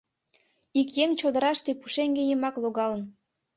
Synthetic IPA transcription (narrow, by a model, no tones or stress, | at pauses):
ikjeŋt͡ɕod̪əɾɑʃt̪epuʃeŋɡejəmɑkloɣɑlən